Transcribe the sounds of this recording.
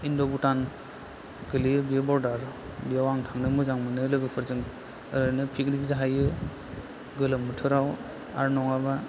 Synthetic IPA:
indɔbutan | ɡɯlijɯbijabɔɾdaɾ | biawaŋtʰaŋnɯmɯzaŋmɯnɯlɯɡɯpʰɯɾzɯŋ | ɯɾɯnɯpʰik̚ɾikzaɦajɯ | ɡɯlɯmːɯtʰɯɾaw | a̰ɾnɔŋaba

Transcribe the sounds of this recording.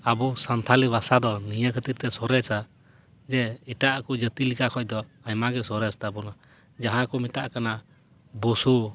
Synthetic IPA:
abusant̪ʰaliβasad̪ɔnijəkʰət̪iɾ̚t̪ɛsɔɾɛsa | d͡ʒɛiʈaʔkɔd͡ʒət̪ilikakʰɔc̚ˀd̪ɔaɲmaɡɛsɔɾɛst̪abɔna | d͡ʒaɦãkɔmit̪aʔkana | busu

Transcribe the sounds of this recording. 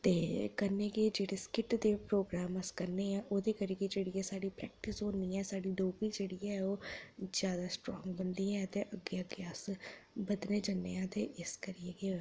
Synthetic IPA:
t̪eːkɐɾneked͡ʒeːɽeskɪʈd̪epɾoːɡɾaːməskəɾneɦɛ̃ːʔoːd̪ekəɾiked͡ʒeːɽiɛsaːɽipɾɛ̰ːk̚ʈɪsonĩɛːsaːɽid̪oːbid͡ʒeːɽiɛɛoːzjaːd̪asʈɾɔːŋɡbənd̪iɦɛ̃t̪eʔəɡeəɡeasbəd̪ned͡ʒənḛɦɛ̃ːt̪eɪskəɾieke

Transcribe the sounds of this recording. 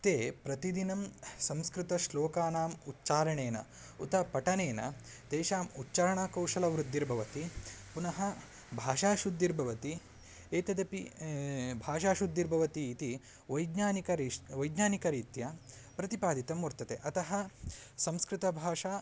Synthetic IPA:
t̪eːpɾɐt̪id̪inɐmsɐmskɾɪt̪ɐʃloːkaːnaːmutːt͡ʃaːɾɐɳeːnɐ̰ | ut̪ɐpɐʈɐneːnɐ̰t̪eːʃaːmutːt͡ʃaːɾɐɳaːkɐwʂɐlɐʋɾud̪ːiɾbʱɐʋɐt̪ipunɐɦɐ | bʱaːʃaːʃud̪ːiɾbʱɐʋɐt̪i | eːt̪ɐd̪ɐpi | bʱaːʃ̬aːʃud̪ːiɾbʱɐʋɐt̪iːt̪i | ʋɐjd̪ɲaːnikɐɾiʋɐjd̪ɲaːnikɐɾiːt̪jɐpɾɐt̪ipaːd̪ʱit̪ɐmuɾt̪ɐt̪ḛːʔɐt̪ɐɦɐ̆sɐmskɾɪt̪ɐbʱaːʂaː

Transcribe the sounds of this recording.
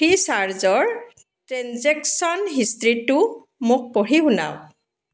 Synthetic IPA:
isaɹzɔɹ | tɹɛnzɛksɔnɦistɹitʊ | mʊk̚pɔɹixʊna̰w

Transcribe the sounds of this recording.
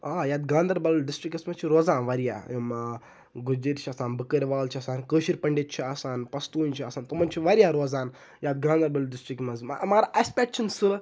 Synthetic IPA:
aːjaːt̪ɡãːnd̪ɐɾbɐllɖisʈɾikɐsmɐnt͡ʃʰiɾoːzaːnʋɐɾija̰ːm | ɡud͡ʒiɾt͡ʃʰɐsaːnbəkəɾʲʋaːlt͡ʃʰiɐsaːnkəːʃiɾʲpɐɳɖit̪̚t͡ʃʰiɐsaːnpɐst̪uːnt͡ʃʰiɐsaːnt̪omɐnt͡ʃʰiʋɐɾijaːɾoːzaːn | jaːt̪̚ɡãːnd̪ɐɾbɐlɖisʈɾikmɐzm̰maːɾaʔɐspʲeʈ̚t͡ʃʰinsɨ

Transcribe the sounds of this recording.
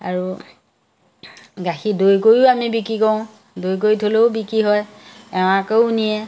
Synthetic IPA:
a̰ɹu | ɡaxidojkojʊamibikɹikɔʊ̃ | dojk̬ojtʰoloʊbikɹiɦɔj | ɛw̃akeʊunijɛ

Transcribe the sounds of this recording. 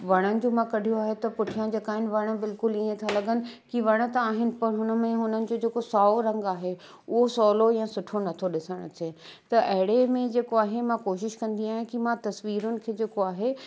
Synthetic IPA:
ʋɐɽ̃ənɪ̆d͡ʑoːmãkɐɖʱijoaːɦet̪ɐpʊʈʰijãd͡ʑeːkaːɦɪnɪ̆ʋɐɽ̃̆bɪlkʊliẽt̪ʰalɐɡənɪ̆kiʋɐɽ̃ə̆t̪aaːɦɪnɪ̆pɐɽɦʊnə̆mẽɦʊnənɪ̆d͡ʑoːd͡ʑeːkosaːoɾɐ̃ŋɡaːɦe | ʊɦosɔːlojãːsʊʈʰonɐt̪ʰoɗɪsəɽ̃ətẽt̪ɐʔɐɦɪɽemẽd͡ʑeːkoaːɦemãkoːʃɪʃkɐ̃nd̪iaːɦɪ̃kimãt̪ɐsʋiːɾʊnɪ̆kʰeːd͡ʑeːkoaːɦe

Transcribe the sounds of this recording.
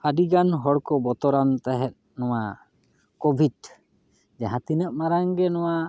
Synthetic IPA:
adiɡanɦɔɽkɔbɔt̪ɔɾant̪aɦɛt̪̚ | nɔwa | kɔbʱid | d͡ʒɛɦãt̪inəʔ̚maɾaŋɡɛnɔwa

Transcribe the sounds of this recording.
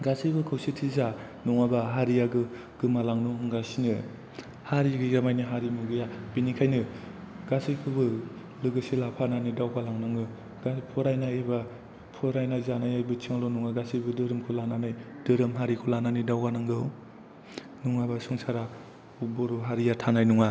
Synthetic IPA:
ɡasijbɯkʰɯwsitʰiza | nuŋabaɦaɾijaɡɯ | ɡ̥ɯmalaŋnuɡasinɯ̰ | haɾiɡɯjamajniɦaɾimuɡɯjabinikʰajnɯ | ɡasijkʰɯbɯ | lɯɡɯsilapʰananidawɡalaŋnaŋɡɯ | ɡapʰɔɾajnaeba | pʰɔɾajnazanajajbɯt͡ʃʰiŋlɔnuŋaɡasijbɯdɯɾɯmkʰɯlananɯjdɯɾɯmɦaɾikʰulananidawɡanaŋɡɯw | nuŋabasuŋsaɾa | ubɔɾuɦaɾijatʰanajnuŋa

